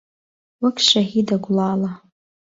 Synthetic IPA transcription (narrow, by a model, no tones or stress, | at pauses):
wakʲʰʃaɦidaɡʷlaːla